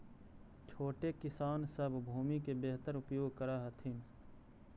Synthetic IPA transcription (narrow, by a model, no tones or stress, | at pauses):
t͡ʃʰoːʈekɪsaːnsəbʱbʱuːmikebeːɦt̪əɾʊpjoːɡ̚kəɾaːɦɐt̪ʰɪn